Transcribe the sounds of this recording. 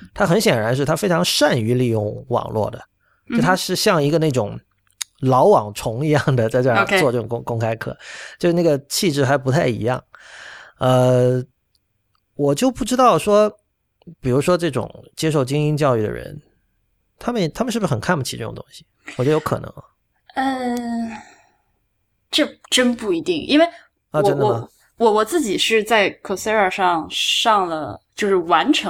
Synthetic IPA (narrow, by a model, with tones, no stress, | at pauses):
t̪ʰa˥xə˧˥nɕjɛ˨˩nɻa˧˥nʂ̬ɻ̩˥˩t̪ʰa˥fe˥ɪʈ͡ʂʰɑ˧˥ŋʂa˥˩ny˧˥li˥˧jʊ˥˩ŋwɑ̰˨˩ŋlwɔ̰˥˩d̪ə̰˩˥˩ | t̪ʰa˥ʂɻ̩˥˧ɕjɑ˥˩ŋi˧˥ɡə˧na˥˩ʈ͡ʂʊ̰˨˩˦ŋ | lɑ˧˥ʊwɑ˨˩ŋʈ͡ʂʰʊ˧˥ŋi˧˥jɑ˥˩ŋd̪ə˩t͡sa˥˧ɪʈ͡ʂɤ˥˩˧t͡swɔ˥˧ʈ͡ʂɤ˥˩ʈ͡ʂʊ˨˩ŋkŋkʊ˥ŋkʰa˥ɪkʰɤ̰˥˩t͡ɕjo˥˧ʂɻ̩˥na˥˩ɡə˩t͡ɕʰi˥˧ʈ͡ʂɻ̩˥˩xa˧˥ɪpu˧˥t̪ʰa˥˩ɪḭ˧˥jɑ̰˥˩ŋ | ə˧ | wɔ˨˩t͡ɕjo˥˧ʊpu˥˩ʈ͡ʂɻ̩˥t̪ɑ˥˩ʊʂwɔ˥ | pi˨˩ɻu˧˥ʂwɔ˥ʈ͡ʂɤ˥˩ʈ͡ʂʊ̰˨˩ŋt͡ɕjɛ˥ʂo˥˩ʊt͡ɕi˥ŋi˥ŋt͡ɕjɑ˥˧ʊy˥˩d̪ə̰˩ɻə̰˧˥n | t̪ʰa˥mə˨nt̪ʰa˥mə˧ʂɻ̩˥˩bʂ̩˥xə˨˩nkʰa˥˩npu˥˩t͡ɕʰi˧˥ʈ͡ʂɤ˥˩ʈ͡ʂʊ̰˨˩t̪ʊ̰˥ŋɕi̥˨˩ | wɔ˨˩t͡ɕo˥˩jo˥kʰɤ̰˨˩nʔɤ̰˧˥ŋɐ̰˧˩ | ə˥˧ | ʈ͡ʂɤ˥˧ʈ͡ʂə˥npu˥˩i˧˥t̪i˥˩ŋʔi˥nwe˥˩ɪ | ə˥˧ʈ͡ʂə˥nd̪ | wɔ˧˥wɔ˨˩t͡sɹ̩˥˩t͡ɕi˨˩ʂɻ̩˥˧t͡sa˥˩ɪkʰo˨˩se˥ə˞˨˩ʂɑ˥˧ŋʂɑ˥˩ŋlə˩t͡ɕjo˥˧ʊʂɻ̩˥˩wa˧˥nʈ͡ʂʰɤ˧˥